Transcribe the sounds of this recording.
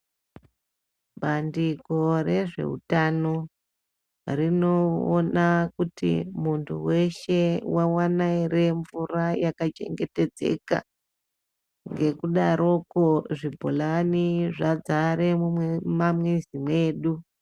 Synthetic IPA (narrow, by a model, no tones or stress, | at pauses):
bʱandiko̞re̞ʐe̞̰ɦṵtano̞ | rinoːnakutḭmuntʰṵwe̞ʃe̞wawanaire̞ɱvurajakat͡ʃe̞̰ŋɡe̞te̞d͡zḛka̰ | ŋɡe̞kuɗaɾʔo̞koʐibʱolaniʐad͡zaɾe̞mummamwezimwe̞ːɗu